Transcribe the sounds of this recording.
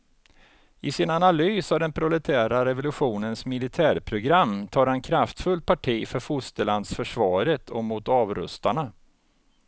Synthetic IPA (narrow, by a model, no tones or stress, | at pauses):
ɪsɪnanalyːsavd̪ɛnpʰɾʊlɛt̪ʰæːɾaɾɛvʊlɵɧuːnənsmɪlɪt̪ʰæːɾpʰɾʊɡɾamːt̪ʰɑːɾhankʰɾaft̪fɵl̚ːpʰaʈʰiːfœɾfʊst̪əland̪sfœʂvɑːɾət̪ʰɔmʊt̪ɑːvɾɵ̰st̪aɳa